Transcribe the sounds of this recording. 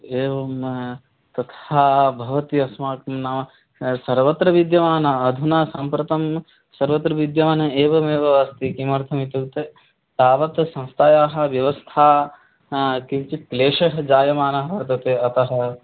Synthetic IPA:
eːʋɐm | t̪ɐt̪haːbʱɐʋɐt̪iɐsmaːkɐmnaʋ | sɐɾʋɐt̪ɾɐʋid̪jɐʋaːnɐɐd̪ʱunaːsɐmpɾɐt̪ɐm | sɐɾʋɐt̪ɾɐʋid̪jɐʋaːnɐeːʋɐmeːʋɐɐst̪ikimɐɾt̪ʰɐmit̪ut̪e | t̪aːʋɐt̪sɐ̃nst̪ʰaːjaːɦɐ̆ʋjɐʋɐst̪ʰaː | kimt͡ʃit̪̚kleːʃɐɦɐd͡ʒaːjɐmaːnɐɦɐʋɐɾt̪ɐt̪eːɐt̪ɐɦɐ

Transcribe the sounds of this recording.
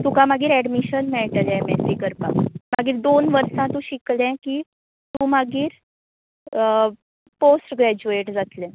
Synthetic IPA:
t̪ukãmaɡiːɾɛɖmiɕənmɛɭʈ̪əlɛ̃mɛsikəɾpa̰maɡiːɾd̪onʋəɾsãt̪ũːɕiklɛ̃kiː | t̪ũːmaɡiːɾ | posʈɡɾɛd͡ʑueʈd͡zat̪lɛ̃

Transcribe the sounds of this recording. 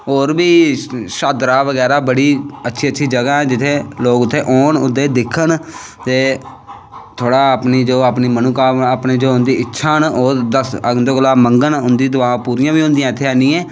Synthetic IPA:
ɦoːɾbiːʃaːd̪ɾaːʋəɡɛːɾaːbəɽiːətːʃʰiːətːʃʰiːd͡ʒəɡaːɛːd͡ʒɪt̪ʰːeːloːɡʊt̪ʰːeːʔoːɳʊ̰d̪ːeːd̪ɪkʰːəɳ | t̪eː | t̪ʰoːɽaːapniːd͡ʒoːaːpniːmənuːkaːaːpniːd͡ʒoːʊnd̪iːɪtːʃʰaːnoːɾd̪əsənd̪oːɡəlaːməŋɡənɦʊ̃nd̪iːd̪ʊʋãːpuːɾijãːbiːɦʊ̃nd̪ɪjãːɪt̪ʰːeːaːnĩːɛː

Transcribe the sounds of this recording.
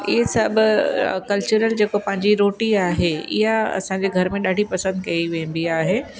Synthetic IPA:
ɪɦsɐbʊkɐlt͡ɕʊɾəld͡ʑeːkopɐ̃ɦɪ̃ɲd͡ʑiɾoːʈiaːɦeɪ̰ɦaɐ̰sãɲd͡ʑeɡʱɐɾmẽɗaːɖʱipɐsə̃nd̪̚kɐiʋẽːnd̪iaːɦeː

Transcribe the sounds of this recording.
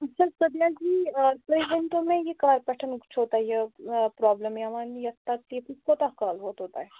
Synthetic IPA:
ɐt͡ʃʰasɐd̪jad͡ʒiːsɐib̪ɐnt̪õmẽjekɐlaːɾpɛʈʰənkt͡ʃʰɦoːt̪aɦɛjepɾɔːbləmɐmaːnijɐt̪ːakjekuskot̪akaːlɦoːt̪ɦoːt̪aɦɛː

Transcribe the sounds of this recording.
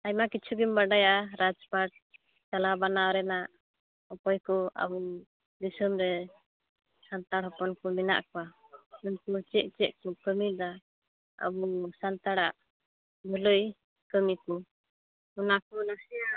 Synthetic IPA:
ajmakitt͡ʃʰuɡimbaɖajaɾad͡ʒpaʈ̚ | t͡ʃalabanaɾɛnaʔ | ɔpɔjkɔa̰bɔ | d̪isumɾɛ | sant̪aɽɦɔpɔnkɔmina̰ʔkɔwaunkut͡ʃɛʔ̚t͡ʃɛʔkɔkəmid̪a | a̰busant̪aɽaʔ | b̪ʱɔləj | kəmikɔ | ɔnakɔnasɛjaʔ

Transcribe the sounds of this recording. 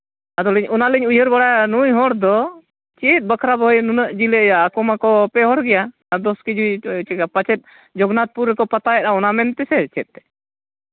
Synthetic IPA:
ad̪ɔlɛɲɔnaləɲujəɾbaɽanujɦɔɽd̪ɔ | t͡ʃɛt̪̚ˀbəkʰɾabɔjnunəʔd͡ʒiləjaːkɔmakɔpɛɦɔɽɡɛja | ad̪ɔskid͡ʒujt͡ʃɛɡapət͡ʃɛt̪̚ˀ | d͡ʒɔɡnat̪̚puɾːɛkɔpat̪ajɛʔ̪̚aɔnamɛnt̪ɛsɛt͡ʃɛt̪̚t̪ɛ̥

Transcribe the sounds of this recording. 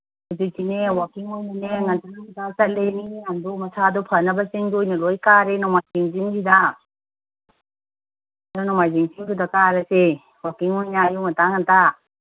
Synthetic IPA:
udijtinewakiŋojnineŋantunamtasɐleniŋandumɐsadupʰənɐbɐsiŋdojnɐlojkaɾenɔmajziŋziŋsida | aɾunɔmajziŋsiŋtʰudakaɾɐse | wakiŋojnajumɐtaŋanta

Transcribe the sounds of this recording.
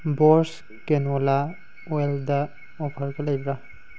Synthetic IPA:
bɔɹs | kɛnwɔla | ɔɛlda | ɔpʰaɹkalajbɹa

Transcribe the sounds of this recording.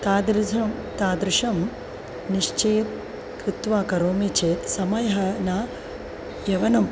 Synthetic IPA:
t̪aːd̪ɾɐm | t̪aːd̪ɾɪʃɐm | niʂt͡ʃeːt̪̚ | kɾɪt̪ʋaːkɐɾoːmit͡ʃeːt̪sɐmɐjɐɦɐnaː | ʋjɐʋɐnɐm

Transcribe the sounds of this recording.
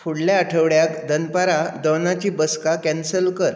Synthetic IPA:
fuɽljaəʈʰəʋɽjakd̪ʱənpaɾad̪ɔnat͡ɕiːbəskakɛ̃nsəlkəɾ

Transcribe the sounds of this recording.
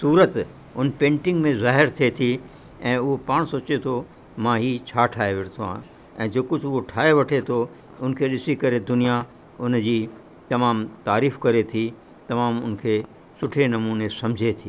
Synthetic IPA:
suːɾət̪ | ʊnpẽːɳʈɪ̃ŋɡmẽzaːɦɪɾt̪ʰiet̪ʰi | ɛ̃ːʊɦopaːɽ̃soːt͡ɕet̪ʰo | mãɦiːt͡ɕʰaːʈʰaːeʋeɽt̪ʰoã̰ | ɛ̰̃ːd͡ʑoːkʊd͡ʑʱʊɦoʈʰaːeʋɐʈʰet̪ʰo | ʊnkʰeɗɪsikɐɾed̪ʊnija | ʊnd͡ʑiː | t̪ɐmaːmt̪aːɾiːfkɐɾet̪ʰiː | t̪ɐmaːmʊnkʰeː | sʊʈʰenɐmuːnesɐ̃md͡ʑʱet̪ʰiː

